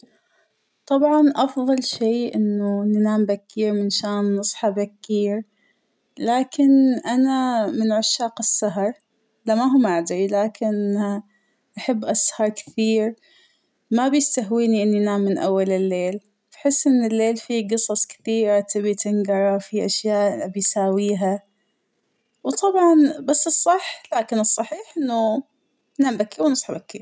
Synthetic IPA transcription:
t̪ˤɑbʕɑnʔɑfðˤɑlʃeːʔɪnːʊnɪnaːmbakːiːɾmɪnʃaːnːɨsˤħɑbakːiːɾ | laːkɪnʔanamɪnʕaʃːaːqɪsːaɦɑɾˤ | lamaɦʊmʔaʕd̪ɾilaːkʰɪn | ʔaħabːʔashɑɾˤkθiːɾ | mabjɪst̪aɦwiːniʔɪnːinaːmːɪnʔa̰wːalɪlːeːl | fḁħɪsːʔɪnːɪlːeːlfiɡɨsˤɑsˤkɪ̥θiːɾat̪ɪbit̪ɪŋɡɑɾˤɑfiʔaʃjaːʔbɪjsaːwiːɦa | wt̪ˤʰɑbʕɑnbasːɨsˤːɑħlaːkɪnɨsˤːɑħiːħʔɪnːʊ | nambakiwnɨsˤħɑbaki

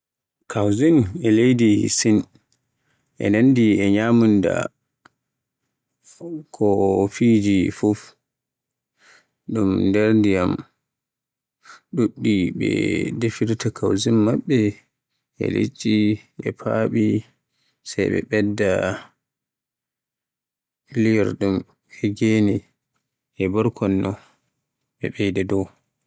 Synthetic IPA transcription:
kʰawzinɛlejdisin | ʔɛ̰nandiɛɲamunda̰ | kʰɔfiːd͡ʒifuf | ɗumndɛɾndijam | ɗuɗːiɓɛ̰defiɾtakawzimːaɓːɛ | ʔɛ̰lḛt͡ʃʼːiʔɛ̰pʰaːɓi | sajɓɛ̰ɓɛdːa | liɛɾɗum | hɛɡeni | ʔɛbɔɾkʰɔnːɔ | ɓɛɓɛjdɛdɔw

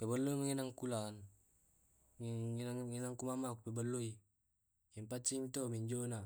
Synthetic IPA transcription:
pebəlːoimaŋenaŋkulan | nainaŋkumamakupebəlːoi | jɛmpat͡ʃːimit̪omiɲd͡ʒona

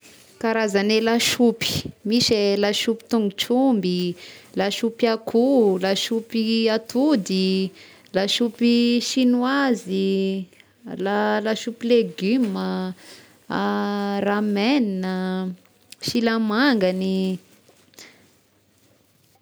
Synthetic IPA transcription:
kaɾazanelaʃupi̥miʃelaʃupi̥t̪uŋɡuʈ͡ʂumbilaʃupiakʰulaʃupiat̪ud̪i | laʃupiʃinuazi | lalaʃupileɡymə | rameninə | ʃilamaŋɡani

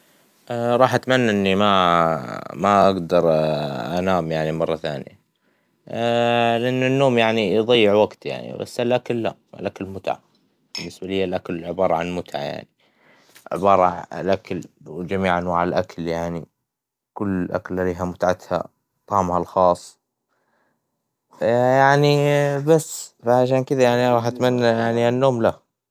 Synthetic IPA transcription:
ʔɾˤɑːħʔat̪manːaʔɪnːima | maʔaɡd̪ɑɾˤʔanaːmjaʕnimɑrˤːɑθa̰ːnja̰ | lʔɪnːʊnːoːmjaʕniðˤɑjːɪʕwaɡt̪ja̰ʕnḭba̰sːalʔakalːa̰a̰lʔakalmʊt̪ʕa̰ | b̥ɪnːɪsbalɪjːalʔakalɪlʕɪbɑːɾˤɑʕanmʊt̪ʕa̰ja̰ʕni | ʕɪ̰bɑːɾˤɑ̰lʔakalwd͡ʒamiːʕanwaːʕalʔakljaʕni | kʊlːʔa̰klʔaliːɦamʊt̪ʕat̪ha̰ | t̪ˤɑːmhalxɑːsˤː | jaʕnibasːfaʕaʃ̬aːnkɪðajaʕniɾˤɑːħʔat̪manːajaʕnianːoːmla

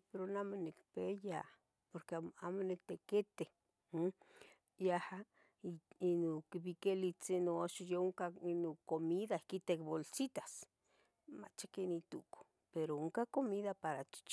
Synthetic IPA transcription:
peɾonamonikpeja | poɾkeamonikt̪eket̪e | jaha | inokiβikelit͡sinoaʃojeoŋkainokomiðakit̪ekbolsit̪ḁs | ma̰t͡ʃakenit̪uko̥ | peɾooŋkakomiðapaɾat͡ʃi̥t͡ʃ

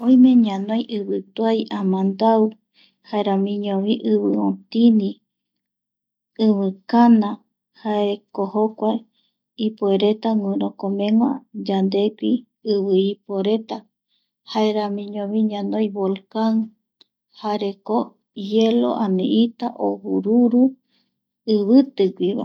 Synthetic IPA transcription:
õj̃mẽ̞ɲãnõjʔɨβɨt̪wajʔãmãnd̪awɨ | haeɾãmĩɲõβiʔɨβɨõt̪inĩ | ɨβɨkanã | haekohokʷae | ipoeɾe̞t̪aŋũɾõkõmẽŋwa̰d͡ʒand̪ekʷi | ɨβɨipoɾe̞t̪a | haeɾãmĩɲõβiɲãnõjβolkan | haɾeko | jelo̰ʔanĩʔit̪aʔohuɾuɾu | ɨβɨt̪ɨɡʷiβa̰

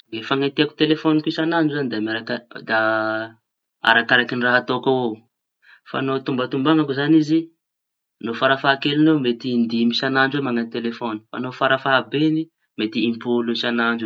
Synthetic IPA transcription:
ɡefaŋat̪iaku̥t̪elefɔnikisanaɳɖ͡ʐuzand̪aamaɾakad̪a | a̰ɾakaɾakiniraɦat̪okao | fa̰not̪umbat̪umbaŋakuzanizi | nofaɾafaɦakelinomet̪ind̪imisanaɳɖ͡ʐwemaŋant̪elefoni̥fa̰nofaɾafaɦabeni | met̪iimpulusanaɳɖ͡ʐ

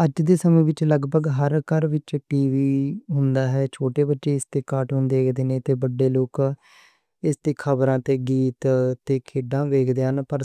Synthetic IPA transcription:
əd͡ʒd̪eːsəmẽːʋɪt͡ʃləɡbəɡɦəɾkəɾʋɪt͡ʃʈiːʋiːɦʊnd̪aːɦɛːt͡ʃʰoːʈeːbətːʃeːɪst̪eːkaːʈɦʊnd̪eːkd̪eːnẽːt̪eːbəɖːeːloːk | ɪst̪eːkʰəbɾãːt̪eːɡiːt̪t̪eːkʰeːɖãːʋeːkʰd̪eːɦənpəɾ

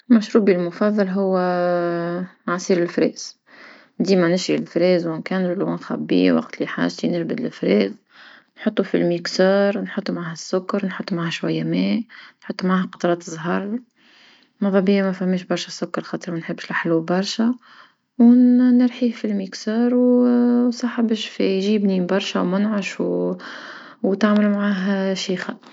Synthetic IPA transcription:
mæʃɾuːbilmʊfɑðˤːɑlɦʊwː | ʕasˤiːɾɪlfɾɛ̰ːz̥ | d̪iːmænɪʃɾilfɾɛːzwɪnkæːnʒɪlwænxæ̰bːḭwɑ̰qt̪liħa̰ːʒt̪inɪʒbɪd̪lfɾɛːz | nħʊt̪ˤːufḭlmiksɑːɾˤnħʊt̪ˤːumaʕaːhæsːʊkːɑɾˤnħʊt̪ˤːumʕaːhæʃwæjːæmɛːnħʊt̪ˤːumʕaːhqɑ̥t̪ˤɑɾˤɑːt̪zˤɦɑɾˤ | mɑðˤɑbiːamæfæhmːeːʃbɑɾˤʃæsʊkːɑɾˤxɑːt̪ˤəɾmænħɪbːʃlaħlubɑɾˤʃæ | wnəɾˤħiːhfilmiksɑːɾw | sˤɑħabəʃfijʒiːbniːmbɑɾˤʃæwmʊnʕaʃw | wt̪aʕməlmʕaːɦʃiːxæ

